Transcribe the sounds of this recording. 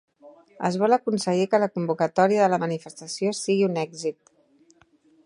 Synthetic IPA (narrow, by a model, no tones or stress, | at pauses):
ə̰zβɔləkunsəɣikələkumbukət̪ɔɾiəðələmənifəst̪əsiosiɣiunɛɡzit̪